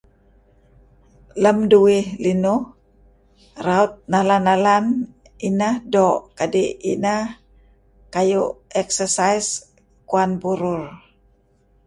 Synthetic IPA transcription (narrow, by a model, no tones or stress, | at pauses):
ləmduihlinuh | raut̪̚nalanalan | inahdɔʔkadiḭnah | kajuɛksəsajs | kuanbuɾʊr